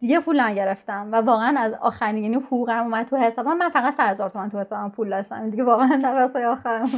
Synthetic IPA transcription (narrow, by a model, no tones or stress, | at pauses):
d̪iɟepʰuːlæmɟe̞ɾeft̪æmvævɒːɣeænæzɒ̰ːxæɾinihuɡuːɣæmuːmæd̪̚t̪ʰuhe̞sɒbɒnmænfæɣæd̪sæd̪he̞zɒːɾt̪omænt̪uhesɒbampʰuːld̪ɒʃt̪æ̰mid̪iɟevɒːɣeænd̪æɾfæsɒːjeɒːxæɾæ